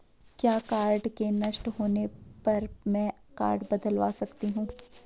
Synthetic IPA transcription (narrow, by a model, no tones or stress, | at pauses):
kjaːkaːɾɖkenɐʃʈɦoːnepɐɾmɛ̃ː | ka̰ːɾɖbɐd̪əlʋa̰ːsɐkt̪iɦũː